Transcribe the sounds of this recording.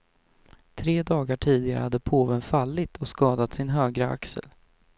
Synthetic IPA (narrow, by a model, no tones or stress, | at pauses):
t̪ʰɾeːd̪ɑːɡaʈʰiːd̪ɪɡaɾə̰had̪ːəpʰoːvənfalːɪt̪ʰɔskɑːd̪at̪sɪnɦøːɡɾəa̰ksə̰l